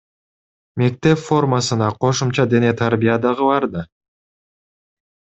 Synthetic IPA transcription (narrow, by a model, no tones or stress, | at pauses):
me̞k̚t̪e̞pfo̞rmasɯnɑqʰo̞ʃumt͡ʃɑd̪e̞ne̞t̪ʰaɾbʲijad̪ɑʁɯbɑɾd̪ɑ